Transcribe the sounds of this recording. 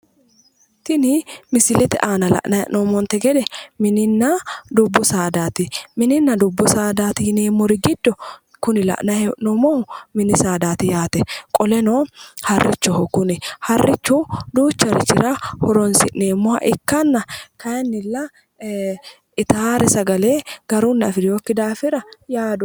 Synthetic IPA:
t̪ɪnɪmɪsɪlɛt̪ɛ̰ʔaːnɐlɐ̰ʔnɐjɛ̰ʔnɔːmɔnt̪ɛɡɛd̪ɛmɪnɪnːɐd̪ʊbːʊsaːd̪aːt̪ɪmɪnɪnːɐd̪ʊbːʊsaːd̪aːt̪ɪjɪneːmːɔɾɪɡɪd̪ːɔ | kʊnɪlɐ̰ʔnɐjɛʔnɔmɔmʊmɪnɪsaːd̪aːt̪ɪjaːt̪ɛkʼɔlɛnoːhɐrːɪt͡ʃːɔhɔkːʊnɪhɐrːɪt͡ʃːʊd̪uːt͡ʃːɐɾɪ̰t͡ʃːɪ̰ɾɐhɔɾɔnsɪʔneːmːʊhɐ̰ʔɪkːɐnːɐkɐjɐnːɪlːɐ | ɪt̪aɾɛsɐɡɐleːɡ̥ɐɾunːɐfɪɾjoːkːɪd̪aːfɪɾɐjaːd̪ʊ

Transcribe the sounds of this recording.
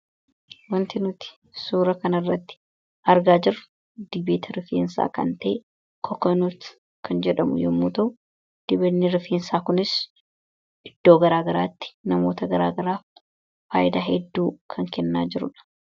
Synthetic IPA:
wɐnt̪ɪnʊt̪ɪ̥ | suːɾɐkɐnɐrːɐt̪ːɪ̥ | ɐɾɡaːd͡ʒɪɾʊ̥ | d̪ɪbeːt̪ʰɐɾɪfḛːnsa̰ːkɐ̰nt̪ɐʔe | kʰɔkɐnʊt̪ | kʰɐnd͡ʒɛᶑɐmʊ̰jɔmːuːt̪ɐʔʊ | d̪̥ɪbɐnːɪɾɪfeːnsaːkʊnɪs | ʔɪd̪̥ːoːɡɐɾaːɡɐɾaːt̪ːɪ̥nɐmo̞ːt̪ɐɡɐɾaːɡɐɾaː | fa̰ːʔɪd̪aːɦɛd̪ːuːkʰɐŋkɛnːaːd͡ʒɪɾʊᶑɐ̥

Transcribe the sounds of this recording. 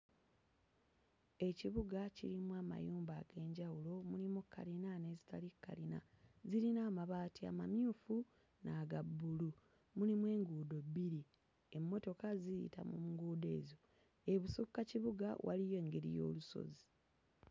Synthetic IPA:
e̞ciβuɡacḭɾimuaːma̰juːmbaːɡe̞ːɲɟawulo̞mulimukːalinane̞ːzitalikːa̰lina̰ | ziɾinaːmaβaːtia̰mamjuːfu | naːɡabːulu | mulimwe̞ːŋɡuːdo̞bːiɾi | emːo̞to̞kaziḭta̰mumuŋɡuːde̞̰ːzo̞ | e̞βusukːaciβuɡawʔa̰lijo̞ːŋɡeɾḭjo̞̰ːluso̞̰zi

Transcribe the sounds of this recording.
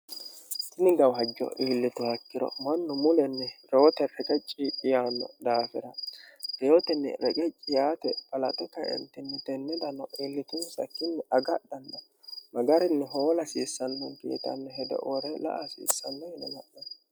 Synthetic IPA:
t̪ɪnɪɡɐwɦɐd͡ʒːɔ̰ʔiːlːɪt̪ʊhɐkːɪɾɔ̰mɐnːʊmʊlɛnːɛɾoːɔt̪ɛɾɛkʼɛt͡ʃʼːiɪjaːnːɔ̰d̪aːfɛɾɐd̥ejɔt̪ɛnːɛ̰ɾɛkʼɛt͡ʃʼːɪjaːt̪ɛpʼɐlɐt̪ɛkːɐɛ̰nt̪ːɪnːɛt̪ɛnːɛd̪ɐnːɔʔiːlːɪt̪ʊnsɐ̰kːɪnːɛʔɐɡɐɗɐnːɐ | mɐɡɐɾɪnːɛɦoːlɐsiːsːɐnːɔnkḛːt̪ɐ̰nːɛɦɛd̪ɛ̰ʔoɾɛlɐ̰ʔɐsḭːsːɐnːɔhɪnɐnɐʔɐn

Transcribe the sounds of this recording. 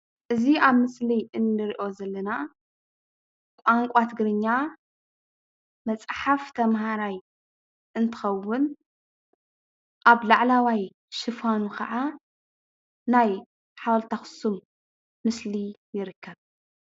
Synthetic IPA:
ʔɨziaβmɨsliʔɨnːɨɾiʔo̞zɐlːɐna | kʷʼaŋkʷʼat̪ʰɨɡɨɾɨɲːa | mɐt͡sʼħaft̪ʰɐmɦaɾaj | ʔɨnt̪ʰɨ̥xɐwːʊn | ʔaβlaʕlawaj | ʃɨfanukʰɐ̰ʕa | naj | ħawlt̪ʰaxɨ̥sumː | ɨslijɪɾɨkːɐβ

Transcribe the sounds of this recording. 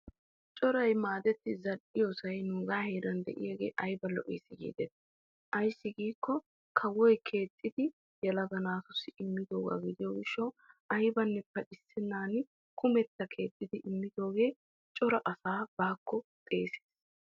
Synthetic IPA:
t͡ʃʼɔɾɐjmaːd̪ɛt̪ːɪzɐᶑɪjɔsɐjnʊːɡaːheːɾɐnd̪ɛ̰ʔɪ̰jɛɡḛːʔɐjbɐlɔ̰ʔeːsɪɡḭːd̪ɛt̪ː | ʔɐjsːɪɡiːkːɔ | kʰɐwɔjkʰe̞ːt̪ʼːɪd̪ɪ | jɛlɐɡɐnaːsʊsɪɪmːɪd̪oːɡa̰ːɡɪd̪ɪjɔɡɪʃːɐw | ɐjbɐnːɛpːɐʔɪsːɪnːaːn | kʊmɛt̪ːɐkʰe̞ːt̪ʼːɪd̪ɪʔɪmːɪd̪o̞ːɡe̞ː | t͡ʃʼɔɾɐʔɐsaːb̥aːkːɔt̪ʼe̞ːse̥ːs

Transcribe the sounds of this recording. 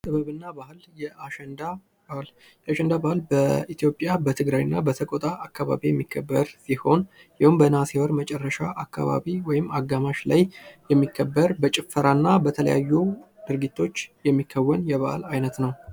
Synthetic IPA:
t̪ʼɨβəβɨnːabahljɛʔaʃɛnd̪a | bal | jaʃɛnd̪abahɨlbəit̪ʰjo̞pʼːjabət̪ʰɨɡɾajɨnːabət̪ʰəkʼot̪ʼaʔːkːaβa̰βijɛmːikʰːəbːəɾsiho̞n | jɪhumbənasewəɾmət͡ʃʼɛrːəʃaʔakʰːa̰βa̰βiwɔjɪmːaɡamaʃlajjɛmːikʰːəbːəɾbət͡ʃʼɪfːəɾanːabət̪ʰələ̰ja̰jːu | d̪̥ɨɾɡit̪ʰːo̞t͡ʃːjɛmːikʰːəwːənjɛβaʔlajnət̪nəw

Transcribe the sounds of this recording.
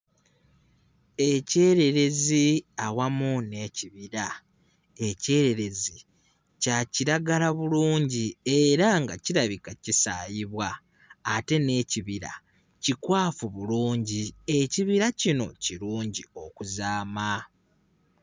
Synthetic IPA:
e̞ce̞ːɾe̞ɾe̞ziawamune̞ːciβiɾa | e̞ce̞ːɾe̞ɾe̞zi | caciɾaɡalaβuluːɲɟie̞ɾaŋɡaciɾaβikacisaːjiβwaː | te̞ne̞ːciβiɾa̰ | cikwaːfuβuluːɲɟie̞ciβiɾacino̞ciɾuːɲɟio̞kuzaːma

